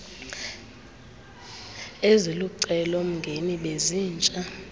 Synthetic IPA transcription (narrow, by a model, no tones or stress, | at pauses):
eziluǀɛlom̩ŋɡʱeniɓeziːnt͡ʃʼa